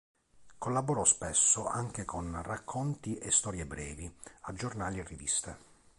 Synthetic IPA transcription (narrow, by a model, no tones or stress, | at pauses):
kolːaboɾɔspɛsːoʔaŋk̟ekʰonrakʰːont̪iʔest̪ɔːɾjebɾɛːviad͡ʒːornaːlierːivist̪e